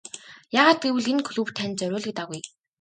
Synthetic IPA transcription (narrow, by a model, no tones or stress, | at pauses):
jaːʁaːt̪̚ɡewɘ̆ɮenkʰɵɮuw̥t̪ʰːænt͡sœɾʲʊːɮ̆k̚t̪aɣuj